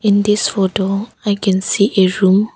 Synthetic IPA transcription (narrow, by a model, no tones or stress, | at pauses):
ɪ̃ndɪsfotoaɪkʰɛ̃nsiʔɛɹũm